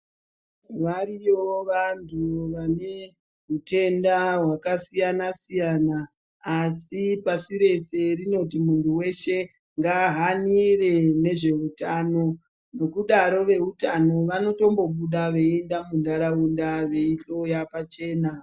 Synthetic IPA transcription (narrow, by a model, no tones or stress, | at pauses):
ʋaɾijoʋantʰuʋane̞ | ɦute̞ndaɦwakasijanasijanaː | sipasiɾe̞se̞rino̞t̬imuntʰuwe̞ʃe̞ | ŋɡaɦanire̞ne̞ʐe̞utaːno̞ | no̞kuɗaɾo̞ʋe̞utano̞ʋano̞to̞mbo̞ɓuɗaʋe̞endamundʱaɾaundaʋeiɬo̞japat͡ʃe̞ːna